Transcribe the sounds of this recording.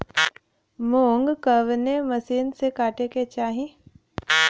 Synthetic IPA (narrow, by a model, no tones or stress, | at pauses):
moːŋɡkəʋneməsiːnsekaːʈeket͡ʃaːɦĩ